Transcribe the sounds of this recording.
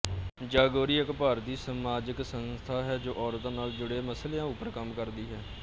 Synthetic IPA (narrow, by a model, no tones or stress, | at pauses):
d͡ʒaːɡoːɾiːəkpaːɾd̪iːsəmaːd͡ʒəksənst̪ʰaːɦɛːd͡ʒoːʔɔːɾt̪ãːnaːld͡ʒʊɽeːməslejãːʊpəɾkəmkəɾd̪iːɦɛː